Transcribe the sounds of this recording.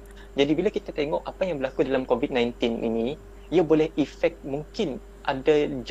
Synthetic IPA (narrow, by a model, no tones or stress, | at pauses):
d͡ʒadibilakit̪at̪eŋɔʔapajaŋbərlakudalamkovit̪̚nãjnt̪ɪnʔḭnĩ | iabolɛhifɛk̚t̪̚mũŋkɪn | ʔadad͡ʒ